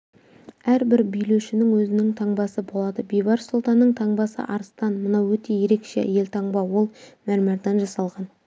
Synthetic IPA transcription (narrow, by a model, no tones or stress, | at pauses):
æɾbɪɾbijleʃɪnɪŋwɵzɪnɪŋt̪ʰɑɴbɑsəbo̞lˠɑd̪əbijbɑɾsolˠt̪ɑnːəɴt̪ʰɑɴbɑsə̰ʔɑɾəst̪ɑnmənɑwwɵt̪e̞je̞ɾe̞kʃe̞̰je̞lt̪ʰɑɴbɑwo̞lˠmæɾmɑɾd̪ɑnʒɑsɑlˠʁɑn